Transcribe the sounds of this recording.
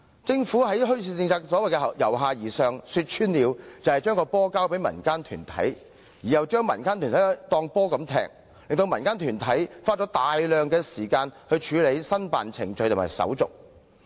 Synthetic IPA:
t͡sɪ˨˧ŋfuː˨˥ɦɐ˨˥jɦɵ˥ɥsiː˧t͡sɪ˧ŋt͡sʰaː˧k̚sɔː˨˥wɐ˨jkɛ˧˨jɐ˨˩wɦaː˨˧jiː˨˩sœː˨ŋsy˧t̚t͡ʃʰyː˥nliː˨˧wt͡sɐ˨whɐ˨jt͡ʃœː˥ŋkɔː˧pɔː˥kaː˥wpe˨˥jmɐ̰˨˩nkaː˥nt̪ʰy̰ː˨˩nt̪ʰɐ̰˨˥j | jiː˨˩jɐ˨˩wt͡ʃœː˥ŋmɐ˨˩nkaː˥nt̪ʰyː˨˩nt̪ʰt̪ɔː˧ŋpɔː˥kɐ˨˧mt̪ʰɛ̰ː˧k̚ | lɪ˨ŋt̪o˧wmɐ˨˩nkaː˥nt̪ʰyː˨˩nt̪ʰɐ˨˥jfaː˥t̚t͡ʃɔ˨˥t̪aː˨jlœː˨˧ŋkɛː˧siː˨˩kaː˧nhɵ˧ɥt͡ʃʰyː˨˧le˨˧jsɐ˥npa̰ː˨nt͡sʰɪ̰˨˩ŋt͡ʃɵ˧jt̪ʊ˨˩maː˨˩jsɐ̰˨˥wt͡sʊ̰˨k̚

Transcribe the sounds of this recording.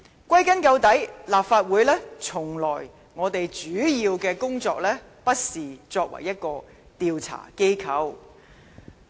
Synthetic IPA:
kʷɐ˥jkɐ˥nkɐ˧wt̪ɐ˨˥jlaː˨p̚faː˧t̚wuː˨˧jlɛː˥t͡sʰʊ˨˩ŋlɔː˨˩j | ŋɔː˨˧t̪e˨jt͡ʃyː˨˥jiː˧wkɛː˧kʊ˥ŋt͡sɔː˧k̚lɛː˥ | pɐ˥t̚siː˨t͡sɔː˧k̚wɐ̰˨˩jɐ˥t̚kɔː˧ | t̪iː˧wt͡sʰa̰ː˨˩ke˥jkʰɐ˨˥w

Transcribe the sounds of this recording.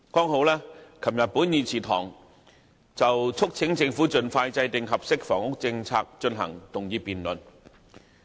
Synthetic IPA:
kɔː˥ŋɦo˨˥wlaː˥kʰɐ˨˩mjɐ˨t̚pu˨˥njiː˨˩t͡sʰiː˨˩t̪ʰɔ̰ː˨˩ŋ | t͡sɐ˨wt͡sʰʊ˥k̚t͡sʰɪ˨˥ŋt͡sɪ˧ŋfuː˨˥t͡sɵ˧nfaː˧jt͡sɐ˧jt̪ɪ˨ŋɦɐ˨p̚sɪ˥k̚fɔ̰ː˨˩ŋʊ˥k̚t͡sɪ˧ŋt͡sʰa̰ː˧k̚t͡ʃɵ˧nɦɐ̰˨˩ŋt̪ʊ˨˩ŋjiː˨˧piː˨nlɵ˨n

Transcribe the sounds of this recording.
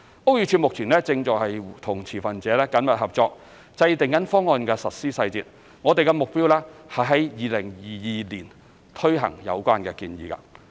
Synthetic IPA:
ʔo˥wjyː˨˧t͡ʃʰyː˧t̚mʊ˨k̚t͡sʰiː˨˩nlɛː˥t͡sɪ˧ŋt͡sɔː˨khɐ˨jt̪ʰʊ˨˩ŋt͡sʰiː˨˩fɐ˨nt͡sɛː˨˦lɛː˥kɐ˨˥nmɐ˨t̚hɐ˨p̚t͡sɔː˧k̚ | t͡sɐ˧jt̪ɪ˨ŋjɐ˨˥nfɔː˥ŋːɔː˧nkɛː˧sɐ˨t̚siː˥sɐ˧jt͡siː˨t̚ | ŋɔː˨˧t̪e˨jkɛ˧mʊ˨k̚piː˥wlɛː˥hɐ˨jɦɐ˨˥jjiː˨˩lɪ˨˩ŋjiː˨jiː˨liː˨˩n | t̪ʰɵ˥ɥɦɐ̰˨˩ŋjɐ̰˨˧wkʷaː˥nkɛː˧kiː˧njiː˨kɐ̰˧

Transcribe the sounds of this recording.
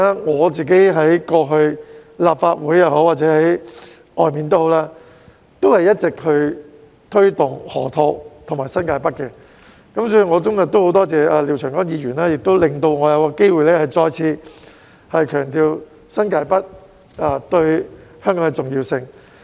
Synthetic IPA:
a˥ŋɔː˨˧t͡siː˨k̬e˨˥jɦɐ˨˥jkɔː˧ɦɵ˧ɥlaː˨p̚faː˧t̚wuː˨˥jɐ˨who˨˥waː˨t̚t͡sɛː˨˧˥hɐ˨˥j | ʔɔː˨jmiː˨nt̪̬o˥ho˨˥wlaː˥ | t̪o˥whɐ˨jɐ˥t̚t͡sɪ˨k̚hɵ˨˧ | t̪ʰɵ˥ɥt̪ʊ˨˩ŋhɔ̰ː˨˩t̪ʰo˧kt̪ʰŋmaː˨˩sɐ˥nkaː˧jpɐ˥t̚kɛ˧ | kɐ˨˥msɔː˨˥jy˨˩ŋɔː˨˧t͡sʊ˥ŋɐ˨k̚t̪o˥who˨˥wt̪ɔː˥t͡sɛː˨˩ʔaː˧li˨˩t͡ʃʰœː˨˩ŋkɔː˨˥ŋjiː˨˧jyː˨˩naː˥jɪ˨k̚t̪o˥wlɪ˨ŋt̪o˧wŋɔː˨˧jɐ˨˧wkɔː˧ke˥jwuː˨jlɛː˥hɐ˨˩jt͡sɔː˧jt͡sʰiː˧ | hɐ˨jkʰœː˨˩ŋt̪iː˧w | sɐ˥nkaː˧jpɐ˥t̚ | a˧˩t̪ɵ˧ɥhœː˥ŋkɔː˨˥ŋɛ˧t͡sʊ˨ŋjiː˧wsɪ˧ŋ

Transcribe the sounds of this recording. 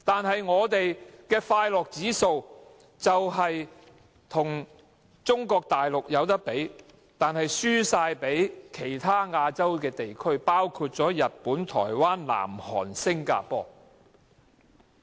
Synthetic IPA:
t̪aː˨nɦɐ˨jŋɔː˨˧t̪e˨jkɛː˧faː˧jlɔː˨k̚t͡siː˨˥so˧w | t͡sɐ˨wɦɐ˨j | t̪ʰʊ˨˩ŋ | t͡sʊ˥ŋkɔː˧k̚t̪aː˨jlʊ˨k̚jɐ˨˧wt̪̬ɐ˥k̚pe˨˥j | t̪aː˨nhɐ˨jsyː˥saː˧jpe˨˥jkʰe˨˩jt̪ʰaː˥ŋaː˧t͡sɐ˥wk̬ɛː˧t̪e˨jkʰɵ˥ɥpaː˥wkʰuː˧t̚t͡sɔː˨˥jɐ˨t̚puː˨˥nt̪ʰɔ̰ː˨˩jwaː˥nla̰ː˨˩mhɔ̰ː˨˩nsɪ˥ŋka̰ː˧pɔː˧

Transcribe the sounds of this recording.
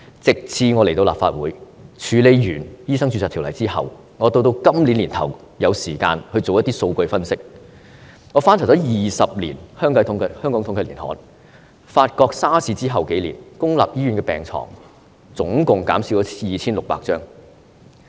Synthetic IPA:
t͡sɪ˨k̚t͡sʰiː˧ŋɔː˨˧le˨˩to˧wla̰ː˨pfaː˧t̚wuː˨˥j | t͡ʃʰyː˨˧le˨˧jjyː˨˩njiː˥sɐ˥ŋt͡ʃʰy˧t͡saː˨t̪ʰlɐ˨˩jt͡siː˥hɐ̰˨w | ŋɔː˨˧t̪o˧wt̪̬o˧wkɐ˥mli˨˥nliː˨˩nt̪ʰɐ˨˩w | jɐ˨˧wsiː˨˩ka̰ː˧nhɵ˧ɥt͡so˨wjɐ˥t̪i˥so˧wkɵ˧jfɐ˥nsɪ˥k̚ | ŋɔː˨˧faː˥nt͡sʰwt͡sɔː˨˥jiː˨˩sɐ˨p̚lḭː˨˩nhœː˥ŋkʰɐ˨˥t̪ʰʊ˨˥ŋkhœː˥ŋkɔː˨˥ŋt̪ʰʊ˧˥ŋʰkɐ˧˩liː˨˩nhɔ̰ː˨˥n | faː˧t̚kɔː˧k̚saː˥siː˧t͡siː˥ɦɐ˨wke˨˥jlḭː˨˩nkʊ˥ŋla̰ː˨p̚jiː˥jyː˨˥nkɛː˧pɛ̰ː˨˩ŋt͡sʰɔ̰ː˨˩ŋ | t͡sʊ˨˥ŋkʊ˨ŋka̰ː˨˥msi˧wt͡sɔ˨˦˥jiː˨t͡sʰiː˥nlʊ˨k̚pa̰ː˧k̚t͡ʃœː˥ŋ

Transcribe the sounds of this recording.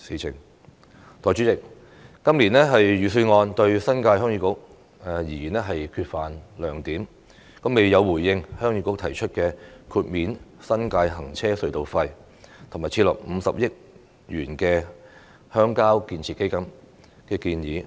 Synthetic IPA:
siː˨˧t͡sʰɪ̰˨˩ŋ | t̪ɔː˨jt͡ʃy˨˥t͡sɪ˨˩k̚ː | ɐ˥mliː˨˩nɛː˥ɦɐ˨jjyː˨˧sɵ˧ŋɔː˧nt̪ɵ˧ɥsɐ˥nkaː˧jhœː˥ŋjyː˧˥kʊ˨˥k̚ | ɛ˨jiː˨˩jyː˨˩nɛː˥ɦɐ˨jkʰyː˧t̚faː˨nlœː˨˩ŋt̪iː˨˥m | kɐ˨˥me˨jːɐ˨˧wːuː˨˩jːɪ˧ŋhœː˥ŋjy˧kʊ˧˥k̚t̪ʰɐ˨˩jt͡ʃʰɵ˥t̚kɛː˧kʰuː˧t̚miː˨˧nsɐ˥nkaː˧jɦɐ˨˩ŋt͡sʰɛː˥sɵ˧ɥt̪o˨˧wfɐ˧j | t̪ʰʊ˨˩ŋmaː˨jt͡sʰi˧˥lɔ̰˨k̚m̩˨˧sɐ̰˨p̚jɪ˥k̚ | jyː˨˩nkɛː˧ | hœː˥ŋkaː˥wkiː˧nt͡sʰiː˨tke˥jkɐ˧˥m | kɛː˧kiː˧njiː˨˧

